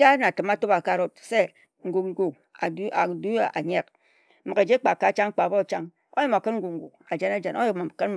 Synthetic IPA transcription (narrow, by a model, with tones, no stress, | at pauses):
d͡ʒa˦na˨tɨ˨ma˦to˦ba˨ka˦˨ɾo˦t̚se˦ | ŋ̩˦ɡu˨k̚ŋ̩˦ɡu˨k̚ | a˨˦a˨du˦a̰˨ɲe˦k̩˦ | mo˨ke˨d͡ʒe˦k͡pa˨ka˨˦t͡ʃa˦ŋ̩˦k͡pa˨bo˦˨t͡ʃa˦ŋ | o̰˦ɲi˦mo˨kɨ˦nŋ̩˦ɡu˨k̚ŋ̩˨ɡu˨k̚a˨d͡ʒe˦na˦d͡ʒe˨no˦ji˨kma˨kɨ˦n